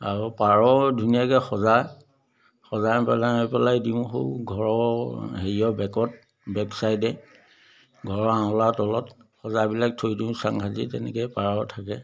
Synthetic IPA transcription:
aɹupaɹɔdʱunijakɛxɔzaɹ | xɔzaɹpɛlaɔpɛlajdiʊ̃xo̰wɡʱɔɹɔɦeɹiɔbɛkɔt̚ | bɛpsajdɛ | ɡʱɔɹɔãlatɔlɔtxɔzabilak̚tʰojdĩʊ̃saŋkazḭtɛ̰nɛ̰kɛjpaɹɔtʰakɛ

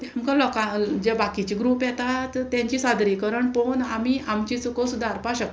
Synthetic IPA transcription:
amkãlɔkãd͡ʑɛbakit͡ɕiɡɾuːpjɛt̪at̪t̪ːjãɲt͡ɕisad̪ɾikəɾəɳponamiamt͡ɕit͡sukəsud̪ʱaɾpaɕək̚t̪

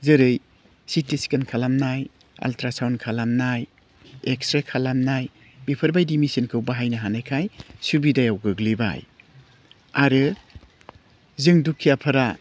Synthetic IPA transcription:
zɯɾɯj | sitisi̥kɐnkʰalamnaj | a̰ltɾasawnkʰalamnaj | ekstɾakʰalamnaj | mipʰɯɾbajdimisinkʰɯwbaɦajnɐɦanajkʰajsubidajawɡɯɡliba̰j | aɾɯ | zɯŋdukʰːijapʰɐɾa

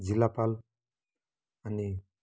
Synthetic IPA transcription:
d͡zilapal | ani

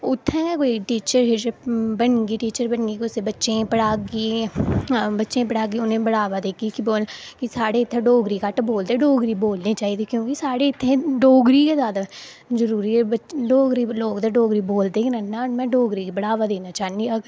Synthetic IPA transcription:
ʊt̪ʰːẽːkoiʈiːt͡ʃəɾɦed͡ʒbəɳɡiːʈiːt͡ʃəɾbəɳɡiːkʊseːbətːʃẽːpəɽaːɡiː | bətːʃẽːpəɽaːɡiːʊnẽːbəɽaːʋaːd̪eːkʰikiboːlkisaːɽeːɪt̪ʰːẽːɖoːɡɾiːkaʈboːld̪eːɖoːɡɾiːboːlneːt͡ʃaːiːd̪ekjõːkisaːɽeːɪt̪ʰːẽːɖoːɡɾiːkezaːd̪a | zəɾuːɾiːɛbəloːɡɾiːloːkd̪eɖoːɡɾiːboːld̪eːkiɾɛnnãːmɛ̃ːɖoːɡɾiːkːbəɽaːʋaːd̪eːnaːt͡ʃaːniəɡ

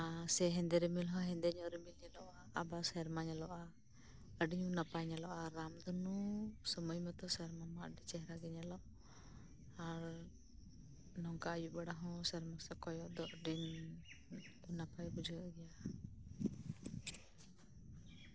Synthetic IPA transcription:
asɛɦɛ̃nd̪ɛɾɛmilɦɔ̃ɦɛ̃nd̪ɛɲɔʔɾimilɲɛlɔʔaabasɛɾmaɲɛlɔʔa | əɖiɲunapajɲalɔʔaɾːamd̪ɔnɔsɔmɔjmɛt̪ɔsɛɾmamaɖit͡ʃɛɦɾaɡɛɲɛlɔʔ | aɾ | nɔŋkaːjuʔbaɽaɦɔ̃saɾmasɛkɔjɔʔd̪ɔʔɖin | unapajbud͡ʒʱuɡɛja

